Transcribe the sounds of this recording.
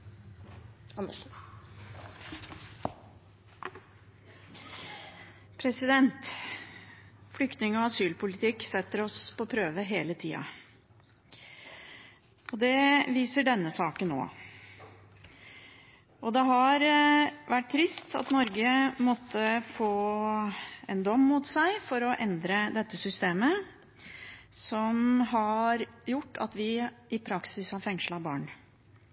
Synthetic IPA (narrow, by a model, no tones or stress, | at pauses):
pʰɾɛsɪd̪ɛnt̪ | fʏkt̪nɪŋɔɑsyːlpʊlɪt̪ʰɪkːsɛt̪ːəɾɔspʰɔpʰɾøːʋəɦeːlət̪ʰiːɑ̰ | ʔɔd̪ɛʋiːsəɖɛnːəsɑːkənnːo̰ː | ɔd̪ɛɦɑɾʋæʈ̚t̪ʰːɾɪst̪ʰɑ̰t̪nɔɾɡəmɔt̪ʰːəfoː | ɛnd̪ɔmːut̪sæɪfɔɾɔʔɛnd̪ɾəd̪ɛt̪ːəsʏst̪eːmə | sɔmɦɑɾjʊʈːɑ̰t̪ʋɪɪpʰɾɑksɪshɑɾfɛŋʂlɑbɑ̰ːɳ